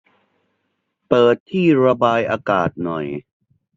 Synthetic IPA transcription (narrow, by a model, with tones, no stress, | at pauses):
pɤː˨˩t̪ʰːiː˥˩ɾa˧baː˧jʔaː˧kaː˨˩t̪̚nɔ˨˩j